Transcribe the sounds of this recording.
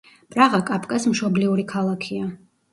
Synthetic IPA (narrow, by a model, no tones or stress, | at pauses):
pʼɾaʁakʼapʰʼkʼasmʃɔbliuɾikʰalˠakʰia